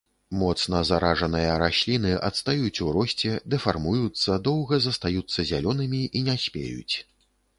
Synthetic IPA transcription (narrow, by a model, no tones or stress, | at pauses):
mɔt̪snɐzaɾaʐɐnɨjɐɾasʲlʲin̪ɨʔɐt̪st̪ajut͡sʲuɾɔsʲt͡sʲɛd̪ɛfarmujut̪sːɐd̪ɔwɣɐzɐst̪ajut̪sːɐzʲalʲɔnɨmʲiʔinʲasʲpʲḛjṵt͡sʲ